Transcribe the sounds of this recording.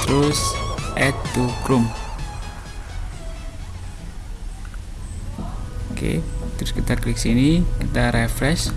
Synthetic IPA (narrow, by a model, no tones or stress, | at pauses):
t̪əɾʊsɛt̪ːukɾum | okḛt̪əɾʊskit̪akliksinikit̪aɾɛfɾɛs